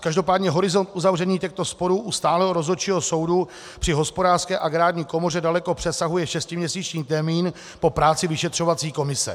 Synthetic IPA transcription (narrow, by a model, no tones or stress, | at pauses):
kaʒdo̞paːdɲɛɦo̞ɾɪzo̞nt̪ʔuzavrɛɲiːcɛxt̪o̞spo̞ɾuːʔust̪aːlɛɦo̞ɾo̞zot͡ʃiːɦoso̞wdu | pr̥ɪɦo̞spo̞daːr̥skɛːʔaɡɾaːdɲiːko̞mo̞r̝ɛdalɛkopr̥ɛsaɦujɛʃɛscɪmɲɛsiːt͡ʃɲiːt̪ɛmiːn | po̞pɾaːt͡sɪvɪʃɛt̪r̝̥o̞vat͡siːko̞mɪsɛ̰